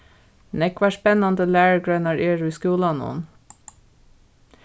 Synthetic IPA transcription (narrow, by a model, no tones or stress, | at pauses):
nɛkʋɑːʃpɛnɑnd̪əlæːɹəɡɹœnɑɹʔeːɹʉːskuːlɑnṵːn